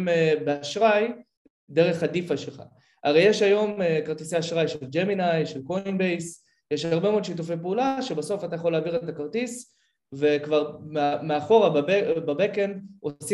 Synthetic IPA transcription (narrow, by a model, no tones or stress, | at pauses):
mebeaʃʁaj | deʁ̞e̞χadifaʃelχa̰ | a̰ʁejeʃajo̞mekaʁt̪isejaʃʁajʃeld͡ʒeminajʃelko̞inbejs | jeʃhaʁbe̞meood̪ʃitufejpeulaʃe̞baso̞fat̪ajaχo̞lːeaːviʁet̪akaʁt̪is | ve̞kvaʁmeameaχo̞ʁabababekenosi